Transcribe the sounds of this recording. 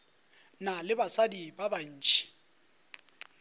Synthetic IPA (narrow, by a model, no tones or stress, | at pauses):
nalɪbasadibaban̩ːt͡ʃʼi̥